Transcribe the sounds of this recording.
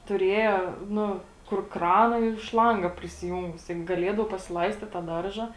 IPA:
tʊˈrʲeːjɛ ˈnʊ kʊr ˈkrɑːnɐ ɪr ˈʃlˠɐŋɡɐ pʲrʲɪsʲɪˈjuːŋɡʊs tɐɪp ɡɐˈlʲiɛdɐʊ pɐsʲɪˈlˠɐɪsʲtʲɪt tɐ ˈdɐrʒɐ

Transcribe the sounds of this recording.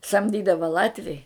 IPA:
sɐmʲˈdʲiːdɐʋɐ ˈlˠɑːtʲʋʲɛɪ

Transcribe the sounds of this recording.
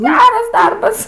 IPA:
ˈɡʲæːrɐs ˈdɐrbɐs

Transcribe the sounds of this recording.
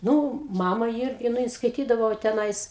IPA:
ˈnuː ˈmɑːmɐ ˈɪrʲɡʲɪ nʊ ˈjɪn skɐɪˈtʲiːdɐʋoː tʲɛˈnɐɪs

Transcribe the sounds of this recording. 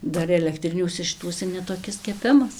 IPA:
ˈdɐr ɛlʲɛkˈtʲrʲɪnʲuɔsʲɛ ʃʲɪˈtuɔsʲɛ nʲɛtoːˈkʲɪs kʲɛˈpʲɪmɐs

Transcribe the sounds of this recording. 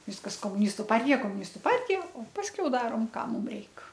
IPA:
ˈʋʲɪskɐs koːmʊˈnʲɪstʊ ˈpɐrʲtʲɪjɛ koːmʊˈnʲɪstʊ ˈpɐrʲtʲɪjɛ oː ˈpɑːsʲkʲɛʊ ˈdɑːroːm ˈkɑː ˈmʊm ˈrʲɛɪk

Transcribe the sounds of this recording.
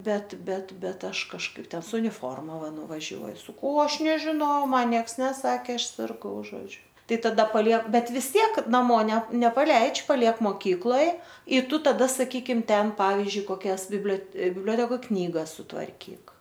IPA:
ˈbʲɛt ˈbʲɛt ˈbʲɛt ˈɐʃ kɐʃˈkɐɪp ˈtʲɛn sʊ ʊnʲɪˈfoːrmɐ ˈʋɐ nʊʋɐˈʒʲuɔj sɐˈkɐʊ oː ˈɐʃ nʲɛʒʲɪnɐʊ oː ˈmɐn ˈnʲiɛks nʲɛˈsɑːkʲeː ˈɐʃ sʲɪrˈɡɐʊ ˈʒoːd͡ʒʲʊ ˈtɐɪ tɐˈdɐ pɐˈlʲiɛk ˈbʲɛt ʋʲɪs ˈtʲiɛk nɐˈmoː nʲɛ nʲɛpɐˈlʲɛɪt͡ʃʲ pɐˈlʲiɛk moːˈkʲiːklˠoːj ɪ ˈtʊ tɐˈdɐ sɐˈkʲiːkʲɪm ˈtʲɛn ˈpɑːʋʲɪzʲd͡ʒʲʊɪ koːˈkʲɛs bʲɪbʲlʲoː bʲɪbʲˈlʲoːtʲɛkoːj ˈknʲiːɡɐs sʊtʋɐrʲˈkʲiːk

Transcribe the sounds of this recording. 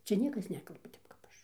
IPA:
ˈt͡sʲɛ ˈnʲiɛkɐs ˈnʲæːkɐlˠbɐ ˈtʲɛp kɐp ˈɐʃ

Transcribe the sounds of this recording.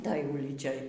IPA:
ˈtoːj ˈʊlʲiːt͡ʃʲoːj

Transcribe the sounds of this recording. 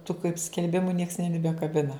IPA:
tʊ kɐɪp sʲkʲɛlʲˈbʲɪmʊ nʲiɛks nʲɛbʲɪbʲɛkɐˈbʲɪnɐ

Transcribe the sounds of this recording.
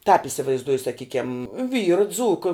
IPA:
tɑːp ɪsʲɪʋɐɪzˈduɔjʊ sɐˈkʲiːkʲɛm ˈʋʲiːrɐ ˈd͡zuːkɐ

